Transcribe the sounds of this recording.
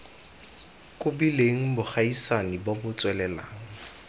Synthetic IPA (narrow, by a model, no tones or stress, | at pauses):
kʼʊbileŋ̩bʊχaisanibɔbʊt͡sʼwɛlɛla̰ːŋ̩